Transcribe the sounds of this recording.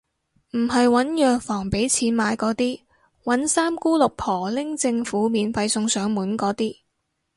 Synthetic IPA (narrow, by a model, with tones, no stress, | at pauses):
m̩˨˩ɦɐ˨jwɐ˨˥njœː˨k̚fɔː˨˩ŋpe˨˥jt͡sʰiː˨˥nmaː˨˧jkɔː˨˥t̪iː˥ | wɐ˨˥nsaː˥mkuː˥lʊ˨k̚pʰɔː˨˩lɪ˥ŋt͡sɪ˧ŋfuː˨˥miː˨˧nfɐ˧jsʊ˧ŋsœː˨˥ŋmuː˨˥nkɔː˨˥t̪iː˥